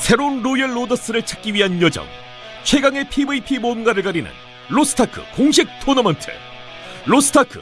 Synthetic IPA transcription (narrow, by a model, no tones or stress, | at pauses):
sʰe̞ɾounɾojʌɭːodʌs͈ɯɾɯɭt͡ɕʰḁk͈iɥiɦanjʌd͡ʑʌ̰ŋ | t͡ɕʰwe̞ɡaŋe̞pʰibɯipʰimoɯnɡaɾɯɭkaɾinɯ̰n | ɾosʰɯ̥tʰakʰɯ̰koŋɕ̬ʰik̚tʰonʌmʌntʰɯ̰ɭ | ɾos͈ʰɯ̥tʰakʰɯ̰